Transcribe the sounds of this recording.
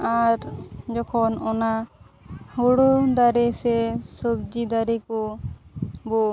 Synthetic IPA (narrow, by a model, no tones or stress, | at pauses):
aɾd͡ʒɔkʰɔnɔna | hɔɽɔd̪aɾɛsɛsɔbd͡ʒid̪aɾɛkɔ | bɔ